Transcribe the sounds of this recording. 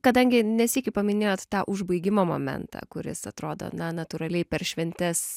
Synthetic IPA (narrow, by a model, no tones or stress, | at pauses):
kɐd̪ɐŋʲɡʲɪnʲɛsʲiːkʲɪpɐmʲɪnʲeːjoːt̪t̪ɑːʔʊʒbɐɪɡʲɪmoːmo̰ːmʲɛ̰nt̪ɑ̰ːkʊɾʲɪ̰sɐt̪ɾoːd̪o̰nɐnɐt̪uɾɐlʲɛɪpʲɛɾʃʲʋʲɛnʲt̪ʲɛs